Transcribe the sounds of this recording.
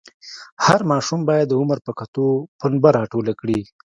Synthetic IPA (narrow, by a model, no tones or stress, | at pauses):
haɾmɑʃumbɑjad̪ːəʊməɾpəkat̪opənbaɾɑʈolakɽi